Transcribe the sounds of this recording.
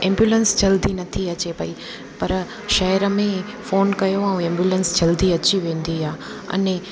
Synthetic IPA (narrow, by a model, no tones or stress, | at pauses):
ɛ̃ːmbjuːlənsd͡ʑɐld̪inɐt̪ʰiɐt͡ɕepɐi | pɐɾ | ʃɐɦɪɾəmẽ | foːnkɐjoɛ̃ũẽːmbjuːlənsd͡ʑɐld̪iɐt͡ɕiʋẽːn̆d̪iɦaː | ɐ̰ne